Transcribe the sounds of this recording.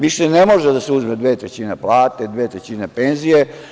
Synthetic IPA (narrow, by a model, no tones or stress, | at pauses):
ʋiʃenemo̞ʒed̪aseuzmed̪ʋeːt̪ɾet͡ɕineplˠaːt̪ed̪ʋeːt̪ɾet͡ɕinepenzije